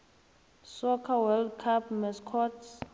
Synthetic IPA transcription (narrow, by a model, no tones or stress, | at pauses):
sɔkʰawɛldkʰapmɛskʰɔts